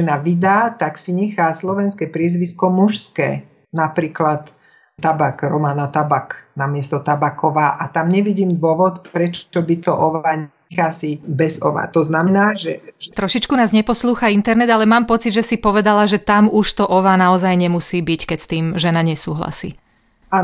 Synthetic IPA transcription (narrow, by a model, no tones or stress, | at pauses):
ɛnaʋid̪aːt̪aksiɲɛxaːslɔʋɛnskɛːpɾɪɛzʋiskɔmuʃskɛ̰ː | napɾiːklat̪ | t̪abakɾɔmanat̪abaknamɪɛst̪ɔt̪abakʰɔʋaːʔat̪amɲɛʋiɟiːmd̪ʋʊɔʋɔt̪pɾɛt͡ʃɔbit̪ɔʔɔʋaːɲɛxxaːsibɛzɔ̰ʋa̰ːt̪ɔznamɛnaːʒɛt̪ɾɔʃit͡ʃkunaːzɲɛpɔsluːxaint̪ɛɾnɛd̪alɛmaːmpɔt͡sid̪ʒɛsipɔʋɛd̪alaʒɛt̪amuʃt̪ɔʔɔʋaːnaɔzajɲɛmusiːbickɛcst̪iːmʒɛnaɲɛsuːɦla̰sḭː | a